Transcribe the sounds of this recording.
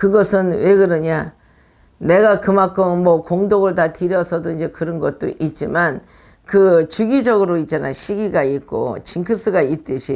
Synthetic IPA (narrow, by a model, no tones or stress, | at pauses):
kɯɡʌsʰɯnwe̞kɯɾʌɲa | ne̞ɡakɯmakʰɯmmʌkoŋdoɡɯɭtatɯɾjʌsʰʌdoind͡ʑe̞kɯɾʌnɡʌt̚t͈o̰ʔit̚t͡ɕ͈iman | kɯt͡ɕuɡid͡ʑʌɡɯɾoitt͡ɕ͈ana̰ɕʰiɡiɡaik͈o̰t͡ɕiŋkʰɯs͈ɯɡait̚t͈ɯɕʰi